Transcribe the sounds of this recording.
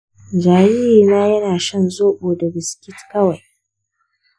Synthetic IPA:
d͡ʒaː˨jiː˦hiː˨naː˦jɐ˦naː˨ʃɐ˦˨nzoː˦ɓoː˨dɐ˨bɪ˨skʲɪ˦tkɐ˦wa˨j

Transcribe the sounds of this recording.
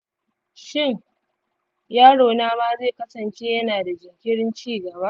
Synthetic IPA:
ʃɪ˦˨ŋ | jaː˦ɽoː˨naː˦maː˦zeː˦˨kɐ˦sɐ˨nt͡ʃeː˦jɐ˦naː˨da˨d͡ʒɪ˨ŋkʲɪ˦ɽɪ˦nt͡ʃiː˦˨ɡɐ˨baː˦ʔ

